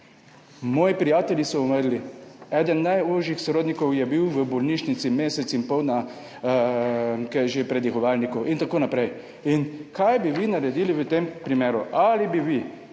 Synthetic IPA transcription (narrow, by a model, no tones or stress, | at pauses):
mɔːjipɾijaːt̪ɛljisɔɔməɾliɛːd̪ənːajuʒjixsɾoːd̪nikɔwjɛbiwʋəbɔlniːʃnit̪simeːsɛt̪simpɔwd̪na | kɛʒepɾɛd̪jɛxɔʋaːlnikɔʔint̪akoːnapɾɛj | inkʰajbiʋinaɾɛd̪iːliʋət̪empɾimeːɾuʔalibiʋi